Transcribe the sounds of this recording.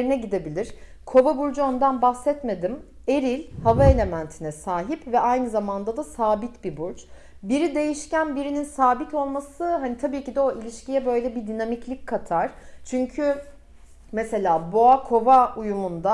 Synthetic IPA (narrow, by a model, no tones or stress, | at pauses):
ɾinɛɟid̪e̞bilʲiɾ̥ | kʰo̞vabuɾd͡ʒuo̞nd̪anbaxsɛt̪me̞d̪im | e̞ɾilʲhavae̞lʲe̞mænt̪ʰinɛsaːɦipvɛʔajnɯzamand̪ad̪asaːbit̪bibuɾt͡ʃ | biɾid̪e̞jiʃcænbiɾininsaːbit̪ʰo̞lˠmasɯɦanit̪ʰabiːcid̪ɛo̞ʔilʲiʃcijɛbø̞jlʲɛbid̪inamiclʲic̚kʰːat̪ʰaɾ̥t͡ʃʰyɲcʰy | mese̞lʲaːboakʰo̞vaujumund̪a